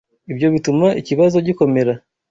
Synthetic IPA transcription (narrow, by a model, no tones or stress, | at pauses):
ibjo̞βitumaʔiciβazo̞ɟiko̞me̞ɾa